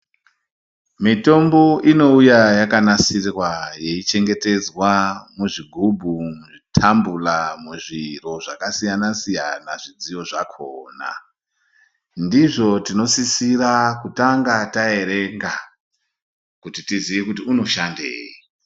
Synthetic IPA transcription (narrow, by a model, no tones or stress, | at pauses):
mito̞mboʔino̞ujajakanasirwaje̞it͡ʃe̞ŋɡe̞te̞d͡zwamuʐiɡʱubʱumuʐitʰambulamuʐiro̞ʐakasijanasijanaʐid͡zijo̞ʐakʰoːna̰ | ndiʐo̞tino̞sisirakutaŋɡatae̞ɾe̞ŋɡa | kutitiziʋikutiuno̞ʃandḛːi